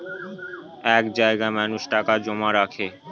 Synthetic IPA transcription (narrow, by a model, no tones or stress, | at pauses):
ɛkd͡ʑaeɡamanuʃʈakad͡ʑomaɾakʰe